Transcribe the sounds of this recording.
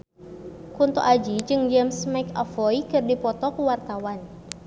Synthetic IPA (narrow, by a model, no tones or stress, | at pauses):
kunt̪ɔ̰ʔad͡ʒid͡ʒɨŋd͡ʒɛmsmajkafɔikɨrdipɔt̪ɔkuwart̪awan